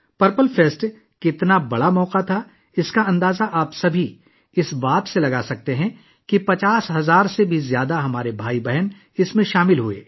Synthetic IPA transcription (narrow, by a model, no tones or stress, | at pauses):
pɐɾpəlfeːsʈ | kɪt̪nabɐɽamɔːqat̪ʰa | ɪskaɐ̃nd̪aːzaʔaːpsɐbʱi | ɪsbaːt̪selɐɡaːsɐk̚t̪eɦɛ̃ | kipɐt͡ʃaːsɦɐzaːɾsebʱizjaːd̪aɦɐmaːɾebʱaːibɛɦən | ɪsmẽʃaːmɪlɦuḛː